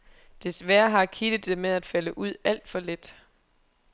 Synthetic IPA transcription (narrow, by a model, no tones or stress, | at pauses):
d̥e̝sʋæːɐɦɑ̈kʰid̥ð̩ˠd̥emeðˠæd̥fæləʔuð̞̰ˠæl̰d̥fɒ̽led̥